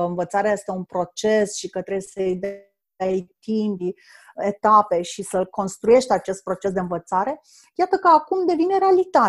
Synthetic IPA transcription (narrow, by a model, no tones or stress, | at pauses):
əɨnvət̪saɾeaje̞st̪e̞unpɾo̞t͡ʃe̞sʃikət̪ɾebujesəjd̪ | jt̪imb | et̪ape̞ʃisəlko̞nst̪ɾuje̞ʃt̪at͡ʃe̞st̪̚pɾo̞t͡ʃe̞sd̪e̞ɨnvət̪saɾe̞ | jat̪əkəakumd̪e̞vineɾealit̪a